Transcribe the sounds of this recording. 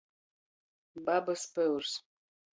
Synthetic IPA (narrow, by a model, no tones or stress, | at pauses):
babɐspɐwrs